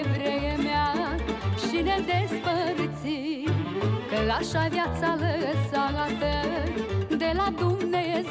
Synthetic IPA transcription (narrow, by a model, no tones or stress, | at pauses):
vɾejemea | ʃined̪espəɾt̪si | kəlaʃavjat̪saləəsaɾat̪ə | d̪elad̪umneje